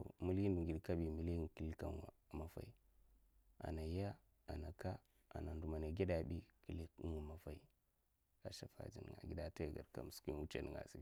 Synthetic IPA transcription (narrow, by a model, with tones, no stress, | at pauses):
o̰˨mu˦li˦ndu˨ŋɡi˨dka˦bi˨mi˨li˦˨ki˨li˦ka˨nwa˨ma˨fa̰˨i˨ | a̰˨na˨ja˦ | a˨na˨ka˦ | a̰˨na˨ndu˨ma˨na˨ɡi˦da˨bi˦ki˨li˦nwa˨ma˨fa˦i˦ | a˨ʃa˨fa̰˨d͡ʒi˨ni˨ɡa̰˨ɡi˦da˨˦ta˦˨ɡa̰˨ɾka̰˨m˨ski˦wu˦t͡ʃe˨ni˨ŋɡa̰˨si˨˦˨